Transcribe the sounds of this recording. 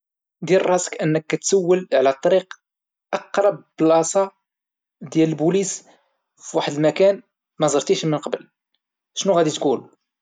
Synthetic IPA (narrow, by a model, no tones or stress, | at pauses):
d̪ilrˤːɑsə̥kʔənːəkːæt̪sæwːəlʕlæt̪ˤːɑɾiq | ʔɑqɾˤɑb̚ːlʔɑsɑ | d̪jæləlbulis | fiwaħəd̪mækæn | mæzˤɑɾt̪iʃmənqɑbəl | ʃnuɣæd̪it̪kul